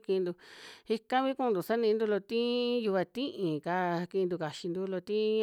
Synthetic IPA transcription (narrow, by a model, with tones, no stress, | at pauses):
kĩ˧nd̪u˧hi˧kã˦βĩ˦kũ˦˧nd̪u˨sa˦nĩ˧nd̪u˧lo˧t̪ĩ˦ju˧βa˧t̪ĩ˦ʔĩ˨ka˧kĩ˧d̪u˧ka˧ʃi˧nd̪u˧lo˧t̪ĩ˦